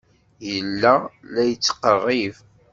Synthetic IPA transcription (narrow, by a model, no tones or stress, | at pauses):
jəlːælæjət͡sːqərˤːiv